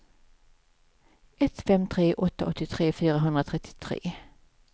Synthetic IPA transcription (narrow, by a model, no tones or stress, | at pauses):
ɛt̪fɛmt̪ʰɾeːʔɔt̪ːaʔɔt̪ːɪt̪ʰɾeːfyːɾaɦɵnd̪ɾat̪ʰɾɛt̪ʰːɪ̥t̪ʰɾḛː